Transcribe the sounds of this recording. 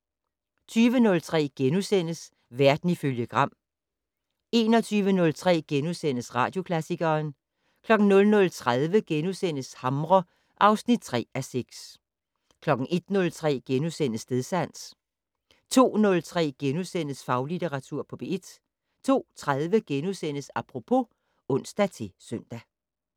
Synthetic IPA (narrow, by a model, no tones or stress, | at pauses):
t͡sʰyːʋənɔ̽lt͡sʰʁɛ̰ːɡ̥enusen̰əs | ʋæɐd̥n̩iføljəɡ̥ʁɑ̈m̰ | e̝ːnɒt͡sʰyːʋənɔ̽lt͡sʰʁɛ̰ːɡ̥enusen̰əsʁɑ̰̈ːd̥jo̝kʰlæsiɡ̥ɐːn | kʰlɒ̽ɡ̥n̩nɔ̽lnɔ̽lt͡sʰʁaðˠʋəɡ̥enusen̰əshɑ̈mʁɒ | ʔɑ̈ʊsnid̥̚t͡sʰʁɛ̰ːæseɡ̥s | kʰlɒ̽ɡ̥n̩ʔe̝d̥nɔ̽lt͡sʰʁɛ̰ːɡ̥enusen̰əsd̥e̝ðˠsæn̰s | t͡sʰo̝̰ːnɔ̽lt͡sʰʁɛ̰ːɡ̥enusen̰əsfɑ̈ʊlit͡seʁɑ̈t͡sʰuɐ̰pʰɒ̽b̥e̝ed̥ | t͡sʰo̝̰ːt͡sʰʁaðˠʋəɡ̥enusen̰əsɑ̈pʰʁo̝pʰo̝ | ɔ̽n̰sd̥æt͡sʰe̝sœn̰d̥æ